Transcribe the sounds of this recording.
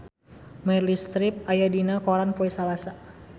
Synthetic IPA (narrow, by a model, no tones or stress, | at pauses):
mɛrlist̪ɾip̚ajadinakoɾanpoisalasa